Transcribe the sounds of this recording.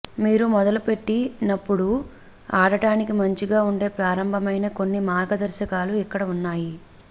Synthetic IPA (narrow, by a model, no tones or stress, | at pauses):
miːɾumɔd̪ɐlupe̞ʈːinɐpːuɽu | aːɽɐʈaːnikimɐɲt͡ʃiɡaːuɳɖe̞ːpɾaːɾɐmbʱɐmɐjnɐko̞nːimaːɾɡɐd̪ɐɾʃɐkaːluikːɐɽɐunːaːji